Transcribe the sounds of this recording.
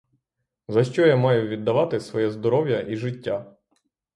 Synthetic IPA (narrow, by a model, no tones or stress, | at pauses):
zɐʃt͡ʃɔjamɑjʊʋʲid̪ːɐʋɑt̪ɪsʋɔjɛzd̪ɔɾɔwjɐʔiʒɪtʲːa